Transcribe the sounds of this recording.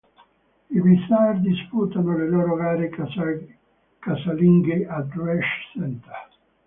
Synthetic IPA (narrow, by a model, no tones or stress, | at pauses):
irist̪ard̪ispuːt̪anoleloːɾovaːɾe | kasaliŋɡeʔad̪uɛʃsɛnt̪ɛ